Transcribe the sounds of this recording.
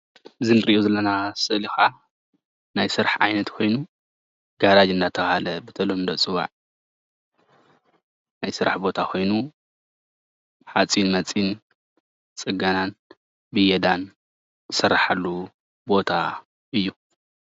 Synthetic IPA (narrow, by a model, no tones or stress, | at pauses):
ɨzinɨɾiʔozɐlɐnasɨʔlixʔa | najsɨɾaħʕa̰jnɐt̪kʰo̞jnu | ɡ̥aɾad͡ʒɨnd̪at̪ʰɐxhalɐbɨt̪ʰɐlomnd̪ɐt͡sʼɨwa̰ʕ | najsɨɾa̰ħbo̞t̪ʰakʰo̞jnu | ħat͡sʼinmɐt͡sʼin | t͡sʼɨɡanan | bɨjɛd̪an | zɨsɐrːaħalːu | bo̞t̪ʰa | ʔɨjːu